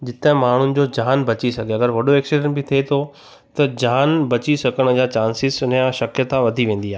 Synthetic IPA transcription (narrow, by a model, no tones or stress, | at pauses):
d͡ʑɪt̪ɦmaːɳ̤ʊnɪ̆d͡ʑoːd͡ʑaːnbɐt͡ɕisɐɡʱeɐɡəɾʋɐɗoeːksiɖə̃nbɪt̪ʰiet̪ʰo | t̪ɐd͡ʑaːnbɐt͡ɕisɐkəɽ̃ʊ̆d͡ʑaːt͡ɕaːnsɪsʊnjãʃɐkjət̪aʋɐd̪ʱiʋẽːn̆d̪iaːɦe